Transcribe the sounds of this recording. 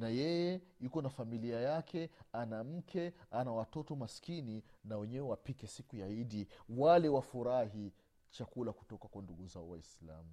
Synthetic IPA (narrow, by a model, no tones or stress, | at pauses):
najɛjɛukɔnafamiliajakʰɛanam̩kʰɛanawatɔtɔmaskininawɛɲɛwɛwapikɛsikujaiɗiwalɛwafuɾaɦi | t͡ʃakulaku̥tɔkakwanduɠuzaɔwa̰isla̰mu